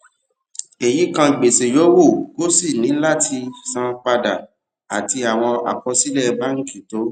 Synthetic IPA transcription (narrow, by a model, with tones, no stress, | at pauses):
e˨ji˨˦kã˧i˨ɡ͡be˨se˨jo˨˦wo˦˨ɡo˦si˦˨nĩ˨˦la˦tʰi˧sã˧k͡pa˧da˨ | a˨ti˧a˨w̃ɔ̃˧a̰˨k͡pɔ˧si˦lɛ˦˨˧ba˦ŋ̩˦ki˦˨to˨˦